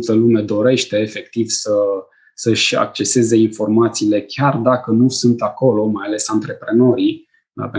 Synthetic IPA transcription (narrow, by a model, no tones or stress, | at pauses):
t̪əlume̞d̪o̞ɾe̞ʃt̪e̞ːfe̞k̚t̪ivsə | səɨʃʲa̰k̚t͡ʃe̞se̞ze̞info̞rmat̪siːle̞kʲjard̪akənusunt̪ako̞lo̞majale̞sant̪ɾe̞pɾe̞no̞ɾi | pe